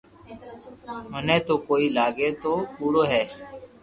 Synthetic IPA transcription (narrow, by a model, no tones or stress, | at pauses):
mənẽːt̪oːkoːiːlaːɡeːt̪oːpuːɽoːɦɛː